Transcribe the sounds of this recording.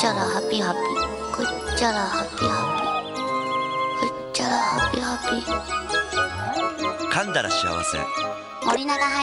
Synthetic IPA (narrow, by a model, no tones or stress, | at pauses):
t͡ɕaɾaɦapːiɦapːi | kɯt͡ɕaɾahapːihapːi | kɯ | t͡ɕːaɾahapːihapːi | kʰãnd̪aɾaɕia̰βa̰sḛ̃ | moɾʲinaɡaɦa